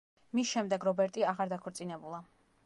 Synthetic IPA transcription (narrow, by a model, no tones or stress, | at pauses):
misʃɛmd̪ɛɡɾɔbɛɾt̪ʼiaʁaɾd̪akʰɔɾt̪sʼinɛbulˠa